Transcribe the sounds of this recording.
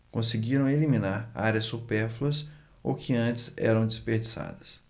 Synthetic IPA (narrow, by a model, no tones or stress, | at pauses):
kõsɪɡiɾɐ̃w̃elimĩnaɾa̰ɾjɐsːupɛɾflɐs | o̰kʰɪɐ̃t͡ʃɪ̥zɛ̰ɾɐ̃w̃d͡ʒɪspeɾd͡ʒisa̰d̪ɐs